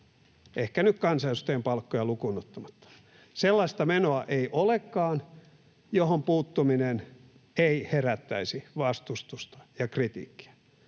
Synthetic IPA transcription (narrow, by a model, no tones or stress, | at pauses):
ʔehkænykkɑnsɑjsu̥t̪empɑlkːojɑlukunot̪ːɑmɑt̪ːɑ̥ | selːɑist̪ɑmenoɑʔeiʔolekːɑːn | johompuːt̪ːuminen | eiheræt̪ːæisiʋɑst̪ust̪ust̪ɑ̥jɑkrit̪ḭːkːi̥æ̥